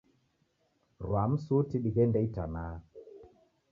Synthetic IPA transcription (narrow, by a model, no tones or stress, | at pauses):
ɾwam̩sutiɗiɣɛndɛita̰naː